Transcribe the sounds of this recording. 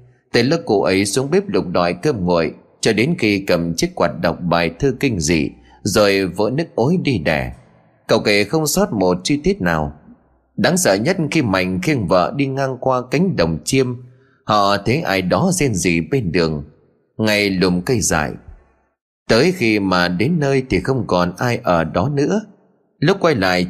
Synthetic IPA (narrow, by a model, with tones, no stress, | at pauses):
t̪ə̰˨˩lə˧w̚kːṵ˧˩ʔə˨˦jsu˨˦əŋɓi˦˥p̚lʊ˨˩k͡p̚ɗɔ̰˧˨jkə˧mŋo̰˧˨əj | t͡ɕɔ˧ɗe˨˦nxi˧kə˨˩mt͡ɕi˦˥ək̚kwaː˨˩t̚ɗə̰˨˩wk͡p̚ɓaː˨˩jt̪ʰɨ˧kï˧ŋ̟zḭ˧˨ | zo˨˩jvə̰ː˧˥nɨ˦˥k̚ʔo˨˦jɗi˧ɗɛ̰˧˩ | kə˨˩wke˨˩xə˧wŋ͡msɔ˦˥t̚mo˨˩t̚t͡ɕɨ˧t̪i˦˥ət̚naː˨˩w | ɗa˨˦ŋsə̰ː˧˨ɲə˦˥t̚xi˧ma̰˨˩jŋ̟xi˧ənvə̰ː˧˨ɗi˧ŋaː˧ŋkwaː˧ka˨˦jŋ̟ɗə˨˩wŋ͡mt͡ɕi˧əm | hɔ̰˧˨t̪ʰe˨˦ʔaː˧˩jɗɔ˨˦zɛ˧nzi˨˩ɓe˧nɗɨ˨˩əŋ | ŋa˨˩jlʊ˨˩ŋ͡mkə˧jza̰ː˧˨j | t̪əː˨˦jxi˧maː˨˩ɗe˨˦nːəː˧jt̪ʰi˨˩xə˧wŋ͡mkɔ˨˩nʔaː˧jʔəː˧˩ɗɔ˨˦nɨ̰˧˥ə | lʊ˦˥k͡p̚kwa˧jla̰ː˧˨j